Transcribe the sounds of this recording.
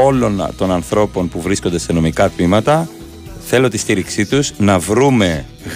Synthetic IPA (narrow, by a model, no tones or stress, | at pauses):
o̞lo̞nt̪o̞nɐnθɾo̞po̞npuvɾisko̞nd̪e̞se̞no̞mikɐt̪mimɐt̪ɐ | θe̞lo̞t̪ist̪iɾiksit̪uznɐvɾume̞ | ɣ